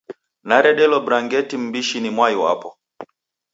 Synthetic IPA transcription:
naɾɛɗɛlɔbɾaŋɡɛtim̩biʃinimwaiwa̰pɔ

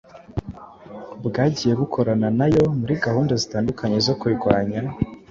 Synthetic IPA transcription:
bɡaːɟije̞ɡukʰo̞ɾananajo̞muɾiɡahuːndazitaːndukʰaɲe̞zo̞kuiɡwaːɲa

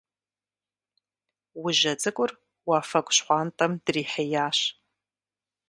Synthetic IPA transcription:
wiʒɐd͡zʼɨkʷʼʊr | waːfɐkʷʼɕħʷɑːntʼɐmd̥riːħejaːɕ

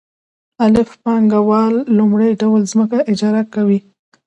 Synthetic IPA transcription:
alɪfpɑŋɡawɑlːʊmɽəjɖawlzməkaʔɪd͡ʒɑɾakawi

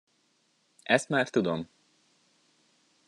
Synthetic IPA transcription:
ʔɛst̪maːrt̪ud̪om

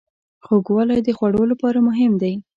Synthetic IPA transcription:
xoɡwɑlajd̪əxwaɽolapɑɾamʊɦɪmd̪aj

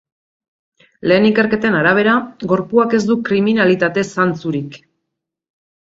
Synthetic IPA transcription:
le̞ːnike̞ɾke̞t̪e̞naɾaβ̞e̞ɾaɡo̞ɾpuake̞zd̪ukɾiminalit̪at̪e̞sant͡suɾik

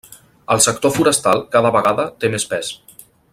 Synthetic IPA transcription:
əlˠsək̚t̪ofuɾəst̪alˠkaðəβəɣaðət̪emespɛs

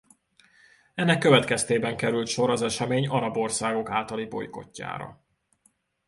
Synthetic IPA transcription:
ɛnːɛkːø̞vɛt̪kɛst̪eːbɛŋkɛɾylt̪ʃo̞ɾɒzɛʃɛmeːɲɒɾɒbo̞rsaːɡo̞kaːlt̪ɒlibo̞̰jko̞̰cːa̰ːɾɒ̰

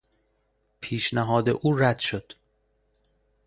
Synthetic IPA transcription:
pʰiːʃnæɦɒːd̪ḛʔuːɾæd̪̥ʃo̞d̪̥

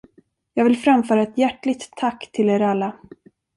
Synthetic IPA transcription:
jɑːɡvɪlfɾamfœːɾaɛt̪jæʈːɭɪɡ̚t̪ʰːakːt̪ʰɪleːɾalːa

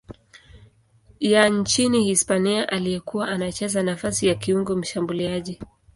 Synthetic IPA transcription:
jaɲt͡ʃinihispaniaʔalijɛkuwaʔanat͡ʃɛzanafasijakiuŋɡɔm̩ʃambuliaʄi

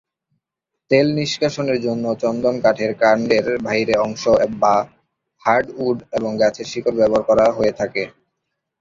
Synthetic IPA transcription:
t̪elniʃkaʃoneɾd͡ʑonːot͡ɕɔnd̪omkaʈʰeɾkaɾɳɖeɾbʱaɦiɾeɔŋʃoba | haɾɖuɖeboŋɡɛt͡ɕʰeɾʃikoɾbɛboaɾkɔɾaɦoet̪ʰake

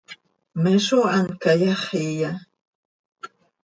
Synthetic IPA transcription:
meʃoankajaχija

